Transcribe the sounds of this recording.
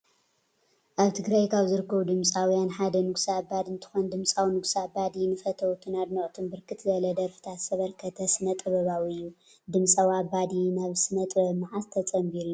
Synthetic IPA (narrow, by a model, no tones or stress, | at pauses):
ʔaβt̪ʰɨɡɾajkʰaβzɨɾɨkʰːɐβud̪ɨmt͡sʼawjanħad̪ɐnɨɡsabad̪ɨnt̪ʰɨ̥xond̪ɨmt͡sʼawnɨɡsabad̪inɨfɐt̪ʰɐwt̪ʰɨnad̪noʔʼt̪ʰɨnbɨɾkʰɨt̪zɐlɐd̪ɐɾfɨ̥t̪ʰat̪sɐβɐɾkʰɐt̪ʰɐsɨnɐt̪ʼɐβɐβawiɨjːu | d̪ɨmt͡sʼawabad̪inaβsɨnɐt̪ʼɨbɐmɨʕast̪ʰɐt͡sʼɐmbiɾuu